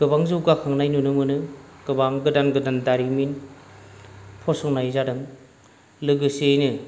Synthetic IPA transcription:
ɡ̥ɯbaŋzɯwɡakʰaŋnajnunɯmɯnɯɡ̥ɯbaŋɡɯdanɡɯdandaɾimin | pʰɔsɔŋnajzadɯŋ | lɯɡɯsejnɯ

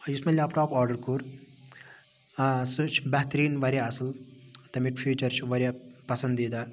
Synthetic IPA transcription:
jusmɐlʲaːpʈaːpɔːɾɖəɾkuɾ | sut͡ʃʰbɐɦt̪ɾiːnʋɐɾʲjaɐsɐlt̪ɐmiʈpʰjuːt͡ʃɐɾt͡ʃʰʋɐɾʲjapɐsɐnd̪id̪aː

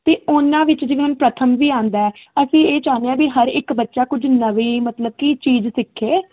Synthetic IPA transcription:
t̪eːʊnãːʋɪt͡ʃd͡ʒeːʋeːʊnpɾət̪ʰəmʋiːãːnd̪aːɛːəsĩːeːt͡ʃãːneãːbiːɦəɾɪkbətːʃaːkʊd͡ʒnəʋiːmət̪ləb̚kiːt͡ʃiːzsɪkʰːeː

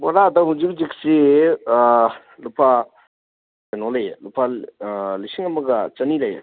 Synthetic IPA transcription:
bɔɾadaɦud͡ʒik̚d͡ʒik̚si | lupʰa | enɔlejlupʰa | lisiŋɐmɐɡɐt͡ʃɐnilɐja̰

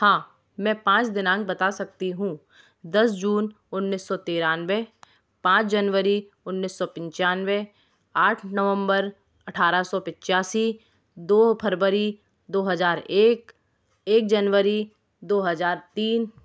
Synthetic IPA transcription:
hãː | mɛ̃ːpãːt͡ʃd̪ɪnãːŋk̚bɐt̪asɐk̚t̪iɦũː | d̪ɐsd͡ʒuːn | ʊnːisːɔt̪eːɾaːnʋe | pãːt͡ʃd͡ʒənʋəɾi | ʊnːisːɔpɪ̃ɲt͡ʃaːnʋe | aːʈʰnəʋə̃mbəɾ | ɐʈʰaːɾasɔpɪ̃t͡ʃaːsi | d̪oːpʰəɾʋəɾi | d̪oːɦɐzaːɾeːk | eːk̚d͡ʒɐnʋəɾi | d̪oːɦɐzaːɾt̪iːn

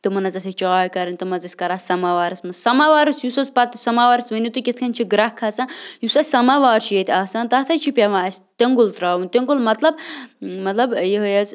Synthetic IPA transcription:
t̪ɨmɐnɐzɐsʲɐt͡ʃaːjkɐɾɐnʲt̪ɨmɐzɐsʲkɐɾaːsɐmaʋaːɾɐsmɐsɐmaʋaːɾɐsjusɐzpɐt̪sɐmaːʋaːɾɐsmɐnʲit̪ukʲit̪ʰkʰɐnt͡ʃʰiɡɾɐhkʰːɐt͡sãːjusɐsɐmaʋaːɾt͡ʃʰijɐt̪ʰʲaːsaːnt̪ɐːt̪ʰɐt͡ʃʰipʲɐʋãːɐsʲt̪eŋɡult̪ɾaːʋunʲt̪eŋɡulmɐt̪lɐbmɐt̪lɐbjeɦɐjɐz

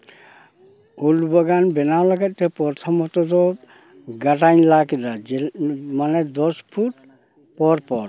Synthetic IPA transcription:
ulbɔɡanbɛnawlaɡat̪̚t̪ɛpɔɾt̪ʰɔmɔt̪ɔd̪ɔ | ɡatajnlakid̪aɛmanɛd̪ɔspʰut | pɔɾpɔɾ

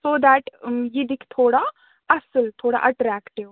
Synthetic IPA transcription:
soːd̪æʈjid̪ikʰt̪ʰoːɽa | ɐsəlt̪ʰoːɽa̰ʔɐʈɾæːkʈiʋ

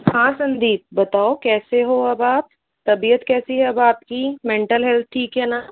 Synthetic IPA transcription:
hãːsɐ̃nd̪iːp̚bɐt̪aːokɛːseɦoɐbaːp̚ | t̪ɐbijət̪kɛːsiɦɛɐbaːp̚kimẽːɳʈəlɦɛlt̪̚ʰʈʰiːkɦɛːnaː

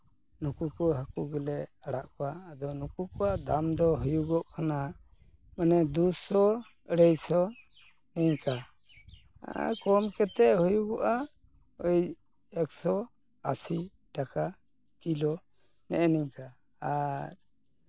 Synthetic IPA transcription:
nukukɔɦakuɡɛlɛʔaɽaʔkɔwaːd̪ɔnukukɔwad̪amd̪ɔɦujuɡɔʔkʰana | manɛd̪usɔ | ɛɾɛjsɔ | nɛɲka | kɔmkɛt̪ɛʔhujuɡɔʔa | ɔj | ɛksɔ | asi | ʈaka | kilɔ | nɛ̰ʔɛnɛɲka | aɾ

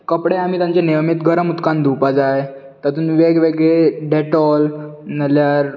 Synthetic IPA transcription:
kəpɽeam̤it̪ãɲt͡ɕeneʋmit̪ɡʱəɾəmut̪kãnd̪upad͡zaj | t̪at̪uːnʋeɡʋeɡɭeɖeʈɔlnəljaɾ

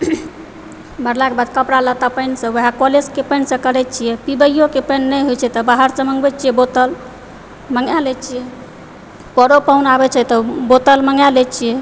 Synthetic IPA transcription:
bəɾlakebad̪kəpɽalət̪apəɪnsə̃əɦakɔleskepəɪnsə̃kəɾɛt͡ʃʰijɛpibəjokepənːəɦojt͡ʃʰɛt̪ɔbaɦəɾsə̃məŋɡbɛt͡ʃʰijɛbot̪əl | məŋjalɛt͡ʃʰijɛ | pəɾopawnabɛt͡ʃʰɛt̪əbot̪əlməŋɡjalɛt͡ʃʰijɛ

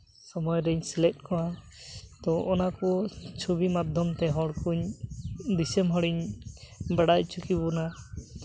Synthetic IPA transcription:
sɔmɔjɾɛɲslɛt̚kɔwa | t̪ɔʔɔnakɔt͡ʃʰubimad̪ʱɔmt̪ɛɦɔɽkuɲ | d̪isɛmɦɔɽiɲ | baɽajt͡ʃʰukibɔna

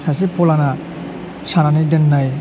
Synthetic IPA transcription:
sʰasipʰɔlana | sʰananidenːaj

